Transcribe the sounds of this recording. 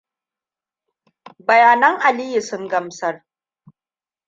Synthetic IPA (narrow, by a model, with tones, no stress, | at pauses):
bɐ˨jaː˨nɐ˦ŋʔa˨li˦ju˨sʊ˦ŋɡɐ˦msɐ˦r